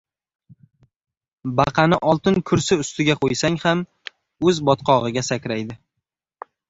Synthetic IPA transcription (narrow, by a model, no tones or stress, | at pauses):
bɑqʰɑnɪʔɒlˠt̪ɪnkʰʊɾsɪʊst̪ɪɡʲaqʰojsaŋham | ɵzbɒt̪qʰɒʁɨɡʲasakʲɾajd̪ɪ